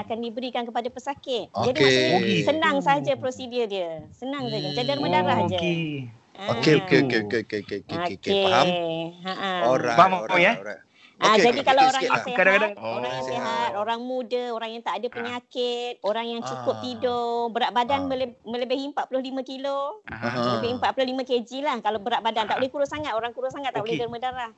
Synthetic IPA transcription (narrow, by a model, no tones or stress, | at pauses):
akandibəɾikankəpadapəsakɪt̪̚d͡ʒadisənaŋsad͡ʒapɾosidɪdiəsənãŋs̬ad͡ʒad͡ʒadərmədaɾahd͡ʒa | aokeokeeekeekoke | aʔabamapoja | ʔad͡ʒadikalaoɾaŋjseadakadaoɾaŋjaŋseɦat̪̚oɾaŋmudəoɾaŋjaŋt̪aʔadapəɲakɪt̪̚oɾaŋjaŋt͡ʃukʊp̚t̪idobəɾaʔ̚badanməlmə̃ləbɪhimpaʔpulʊhlimãkilomələbɪhimpaʔpulʊhlimãked͡ʒilahkalabəɾaʔbadant̪aʔolehkuɾʊsaŋat̪oɾaŋkuɾʊsaŋat̪t̪ːaʔolɪərmə̃daɾah